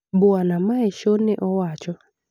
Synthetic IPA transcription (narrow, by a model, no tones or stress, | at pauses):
bʊanamaɛʃonɪʔɔwat͡ʃɔ